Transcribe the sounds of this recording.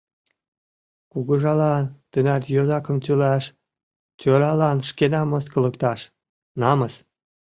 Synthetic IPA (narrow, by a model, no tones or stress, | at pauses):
kuɣəʒɑlɑnt̪ənɑt̪jozɑkə̆mt̪ʲylæʃ | t̪ʲøɾɑlɑnʃkenɑmɤ̆skɤ̆lə̆kt̪ɑʃ | nɑməs